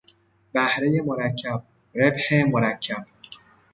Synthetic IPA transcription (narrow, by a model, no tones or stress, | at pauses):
bæhɾe̞jemo̞ɾæcʰːæb̥̚ | ɾe̞bhemoɾæcʰːæb̥̚